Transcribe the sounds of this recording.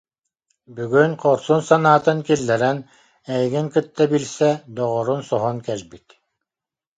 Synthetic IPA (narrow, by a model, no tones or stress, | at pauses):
byɡynqʰɔɾsunsanaːt̪ɯŋkilːɛɾɛn | ɛjɡiŋkɯt̪ːabilsɛd̪ɔʁɔɾunsɔɦɔnkɛlʲbit̪